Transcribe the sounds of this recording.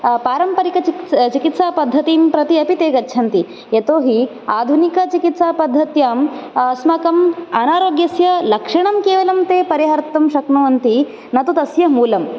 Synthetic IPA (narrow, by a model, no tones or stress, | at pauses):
paːɾɐmpɐɾikɐt͡ʃit͡ʃikit̪saːpɐd̪ʱːɐt̪iːmpɾɐt̪iɐpit̪eːɡɐtːt͡ʃʰɐnt̪i | et̪oːɦi | aːd̪ʱunikɐt͡ʃikit̪saːpɐd̪ʱːɐt̪jaːmɐsmɐkɐmɐnaːɾoːɡjɐsjɐlɐkʂɐɳɐmkeːʋɐlɐmt̪eːpɐɾjɐɦɐɾt̪ːɐmʃɐknuːɐnt̪i | nɐt̪ut̪ɐsjɐmuːlɐm